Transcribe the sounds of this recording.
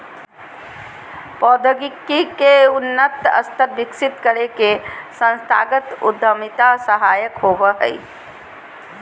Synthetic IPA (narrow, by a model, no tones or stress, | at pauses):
pɔːd̪ʱəɡikːikeʊnːət̪ə̰st̪ʰəɾbɪksɪt̪kəɾekesə̃nst̪ʰa̰ːɡət̪ʊ̰d̪ʱəmit̪asəɦajəkɦobəɦə̰i